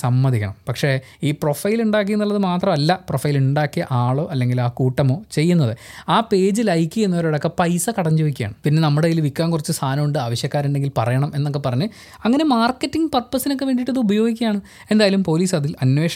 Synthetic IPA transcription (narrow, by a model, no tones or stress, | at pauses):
sɐmːɐðikʲːɐ̰ɳɐmpɐkʂe̞ | iːprofɐjiluɳɖaːk̬iunːuɭːɐðɨmaːt̪rɐmɐlːɐprofɐjiluɳɖaːkːiɐʔaːɭo̞ːʔɐlːe̞ŋɡilaːkuːʈːɐmo̞ːt͡ɕe̞jːunːɐðɨaːpe̞ːd͡ʑilɐjkːɨenːɐʋɐɾuɽokːepɐjsɐkɐɽɐɲd͡ʑoːʋikʲːja̰ːɳɨpinːe̞nɐmːuɽeilʋikːaːnkurit͡ɕːɨst̪ʰaːnɐmuɳɖɨaːʋɐɕjɐkːaːɾuɳɖe̞ŋɡilpɐrɐjɐɳɐme̞nːo̞kːepɐrɐɲːɨ | ɐŋːɐne̞maːrkːetːiŋɡpɐr̚pːɐsino̞k̬ːe̞ʋe̞ːɳɖiʈːɐðɨubɐjo̞ːɡikʲːɐjaːɳɨ | e̞nd̪aːjalumpo̞ːliːsɐðilɐnʋe̞ːʂɐ